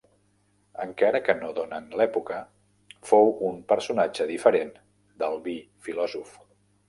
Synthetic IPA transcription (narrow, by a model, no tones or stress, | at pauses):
əŋkaɾəkənoðonənlɛpukə | fowumpəɾsunad͡ʒəðifəɾen | d̪əlˠβi | filɔzuf